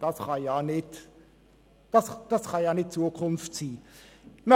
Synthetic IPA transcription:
d̥ɑsχɑjɑːnɪt | d̥ɑsd̥ɑsχɑjɑːnɪt̚t͡suəkʰʊnftsiːmə

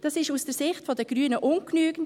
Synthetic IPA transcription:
d̥ɑsɪʃusd̥əɾsɪχtfodəɡ̥ɾyːnəʔʊnknyːɡən

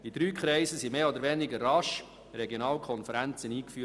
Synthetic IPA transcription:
id̪ɾyːkχɾɛɪsəsimeːɔd̪əɾvɛːnɪɡərɑʃ | ɾɛɡjonɑːlkʰɔnfəɾænt͡səniːkfyː

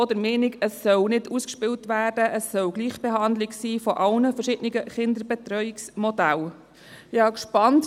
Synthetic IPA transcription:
ɔd̪əɾmeːnɪkəsːœlnɪduskʃpɪltʋæːrdəʔəsːœlɡliːχb̥eɦɑndlɪɡsiːfɔʔɑlnəfəɾʃɪdnɪɡəχɪnd̪əɾbɛt̪ɾœʏɪksmɔdæl | ɪɑːkʃpɑnt

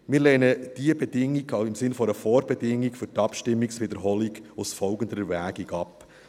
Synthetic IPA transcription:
mɪːlɛːnəd̥iəbɛd̥ɪŋːikɪmsɪnfɔɾəfɔːɾbɛdɪŋːikfʏɾtɑpʃtɪmːiksʋɪd̪əɾɦɔliɡʊsfɔlɡənd̪əɾəvæːɡiɡɑp

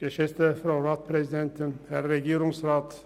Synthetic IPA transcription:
ɡ̥əʃɛst̪əfɾɑʊɾɑːt̪pʰɾɛsɪd̪ɛnt̪ənhæɾːɛɡiːɾʊŋsɾɑːt̪

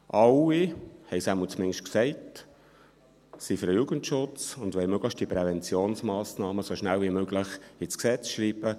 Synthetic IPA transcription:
ʔɑlːihɛɪjsæməlt͡smɪŋʃtksɛɪt | sifəɾəjuːɡ̥əntʃʊt͡sʊndʋɛlmøɡ̥ləʃt̚d̥ipɾɛvɛnt͡sjoːnsmɑːsnɑːməsoʃnælvimøɡlɪχɪsksɛt͡sʃɾiːb̥ə

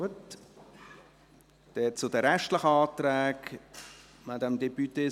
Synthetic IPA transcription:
ət | d̥ɛːt͡sʊdəɾɛʃtləχəɑːtɾɛːk | madɛmdɛpyt̪eː

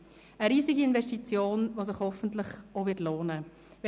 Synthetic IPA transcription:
əɾiːzɪɡiɪnvɛstit͡sjoːnvoːs̬ɪχhɔfəntlɪχovɪtloːnə | v

